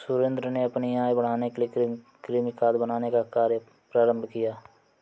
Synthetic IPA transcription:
sʊɾẽnd̪ɾəneɐpniaːjbəɽ̤aːnekelie | kɾiːmɪkaːd̪bənaːnekakaːɾjə | pɾaːɾə̃mbʱkɪjaː

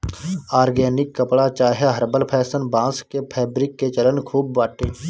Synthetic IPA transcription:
aːɾɡɛːnɪkːəpɽat͡ʃaːɦeɦəɾbəlpʰɛːsənbãːskepʰɛːbɾɪkːet͡ʃələnkʰuːbʋaːʈẽː

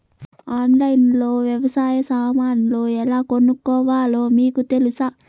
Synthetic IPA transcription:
aːnlɐjnloːʋjɛʋɐsaːjɐsaːmaːnlo̞ːɛlaːkonːukːɔːʋaːlo̞ːmiːkut̪e̞lusa

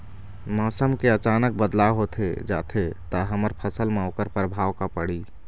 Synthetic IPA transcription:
mɔsəmkeət͡ʃanək̚bəd̪laɦot̪ʰed͡ʒa̰t̪ʰet̪əɦəməɾpʰəsəlmaokəɾpɾəbʱawkapəɽi

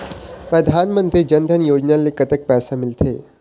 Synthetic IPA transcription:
pɾəd̪ʱanmənt̪ɾiːd͡ʑənd̪ʱənjod͡ʑnjãlːiːkət̪ək̚pæsamilt̪ʰe

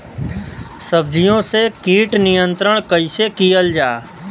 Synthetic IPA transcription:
səbd͡ʒʱijõsekiːʈnɪjə̃nt̪ɾəɽ̃kəisekijəld͡ʒaː

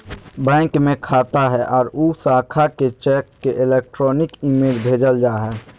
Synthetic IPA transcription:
bɛ̃ːŋkmẽkʰaːt̪aɦɛʔɔːɾuːsaːkʰaket͡ʃɛːkːeʔɪleːk̚ʈɾɔːnɪkimeːd͡ʒbʱeːd͡ʒəld͡ʒaːɦɛː

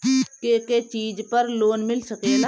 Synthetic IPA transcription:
keːket͡ʃiːd͡ʒpɐɾloːnmɪlsɐkeːla

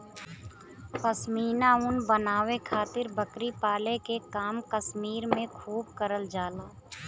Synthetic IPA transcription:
pəsmiːnaʊnbənaːwekʰaːt̪ɪɾbəkɾipaːlekekaːmkəsmiːɾmẽkʰuːb̚kəɾəld͡ʒaːlaː

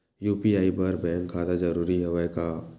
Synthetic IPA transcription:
juːpiaːibɐɾbɛ̃ːŋkʰːaːd̪ad͡ʒɐɾuːɾiɦɛʋaekaː

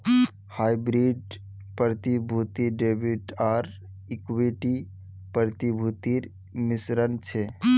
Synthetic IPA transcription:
haːjbɾiɖ | pəɾət̪ibʱut̪iɖeːbiɖaːɾ | ɪkʋiʈi | pəɾt̪ibʱut̪iɾ | mɪsɾənt͡ʃʰe

